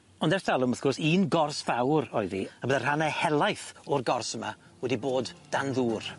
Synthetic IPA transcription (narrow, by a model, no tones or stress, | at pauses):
ɔndɛrtalˠʊməθɡ̥ɔrsiːnɡɔrsfawɾɔjðḭabəðər̥anɛhɛlˠajθɔrɡɔrsəma̰ | wɛdiboːdd̥anðuːr